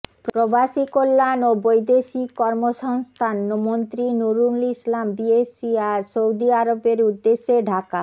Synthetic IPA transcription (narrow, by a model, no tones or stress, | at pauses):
pɾɾobaʃikolːanobojd̪eʃikɔɾmoʃɔŋst̪ʰanːmont̪ɾinuɾunlislambiesiaɾsowd̪iaɾobeɾud̪ːeʃːeɖʱaka